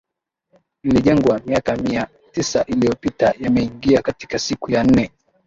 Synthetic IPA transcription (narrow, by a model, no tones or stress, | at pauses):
niliʄɛŋɡwamiakamia | tisaʔilijɔpitajamɛiŋɡiakati̥kasikujan̩nɛ